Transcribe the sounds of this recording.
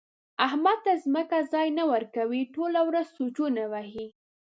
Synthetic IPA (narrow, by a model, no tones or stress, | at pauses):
ahmad̪̚t̪azməkazɑjnawəɾkawiʈolawɾazsot͡ʃunawahi